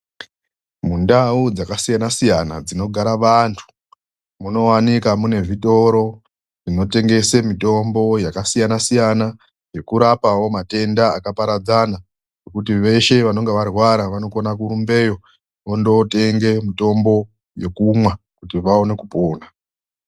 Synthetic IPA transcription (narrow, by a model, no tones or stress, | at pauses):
mundaud͡zakasijanasijana̰d͡zino̞ɡʱaɾaʋantʰu̥ | muno̞wanikamune̞vito̞ɾo̞ | ʐino̞te̞ŋɡe̞semito̞mbo̞jakasijanasijana | je̞kuɾapawo̞mate̞ndaːkapaɾad͡zana | nno̞kut̬iʋe̞ʃe̞ʋano̞ŋɡeʋarwaɾaʋano̞konakuɾumbe̞jo̞ | ondo̞te̞ŋɡe̞mito̞mbo̞ | je̞kumwa | kutiʋao̞ne̞kupoːna